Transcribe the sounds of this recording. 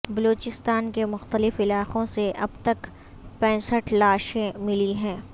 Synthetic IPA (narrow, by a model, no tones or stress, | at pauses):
bɐloːt͡ʃɪst̪aːnkemʊxt̪əlɪfɪlaːqõseʔɐbt̪ɐk | pɛ̃ːsəʈʰlaːʃẽmɪliɦɛ̃ː